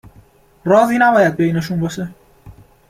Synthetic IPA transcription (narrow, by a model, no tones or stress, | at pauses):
rɒːziːnæbɒːjæd̪̚bejneʃunbɒːʃe